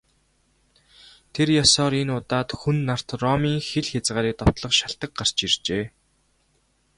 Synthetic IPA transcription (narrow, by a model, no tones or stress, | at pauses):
t̪ʰerjasɔːɾenʊt̪aːt̪xunːar̥t̪rɔmiːŋxeɮxʲat͡sʁaːɾiːk̚t̪ɔwt̪ɮə̆χʃaɬt̪ə̆k̚ɢar̥t͡ɕirt͡ɕeː